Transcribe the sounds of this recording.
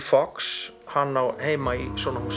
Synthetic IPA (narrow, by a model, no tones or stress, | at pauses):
fɔks | hanːawheːjmaiswɔːnas